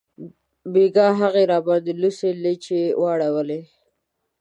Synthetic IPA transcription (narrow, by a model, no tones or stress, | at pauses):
beɡɑɦaɣeɾɑbɑd̪eluselet͡ʃewʔɑɽawəle